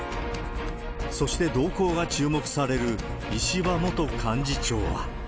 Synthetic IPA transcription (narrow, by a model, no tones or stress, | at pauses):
so̞ɕi̥t̪e̞d̪o̞ːko̞ːɡat͡ɕɨːmo̞kɯ̟̥saɾe̞ɾɯ̟ | iɕiβamo̞t̪o̞kʰãɲ̟d͡ʑit͡ɕo̞̰ːβa̰